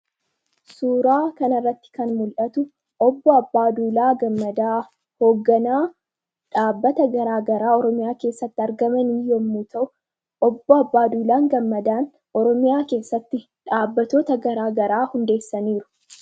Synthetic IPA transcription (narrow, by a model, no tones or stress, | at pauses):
suːɾaːkɐnɐrːɐt̪ːɪ̥kɐnmʊlʔɐt̪ʊ | ʔɔbːɔɐbːaːd̪uːlaːɡɐmːɐd̪aː | ho̞ːɡːɐnaː | ᶑaːbːɐt̪ɐɡɐɾaːɡɐɾaːɔɾɔmɪjaːke̞ːsːɐt̪ːɪɐɾɡɐmɐnɪjːɔmːuːt̪ɐʔʊ | ɔbːɔɐbːaːd̪uːlaːŋɡɐmːɐd̪aːn | ʔɔɾɔmɪjaːke̞ːsːɐt̪ːɪ | ᶑaːbːɐt̪o̞ːt̪ɐɡɐɾaːɡɐɾaːhʊnd̪e̞ːsːɐniːɾʊ̥